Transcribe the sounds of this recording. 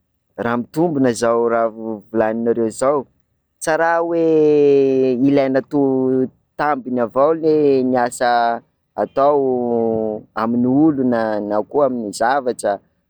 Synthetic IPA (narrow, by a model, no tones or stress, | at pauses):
ramit̪umbunəzawravulaninaɾewzaw | t͡saɾawe | ilajnat̪u | t̪ambinavawleniasə | at̪aw | aminiulunanakuaminizavaʈ͡ʂə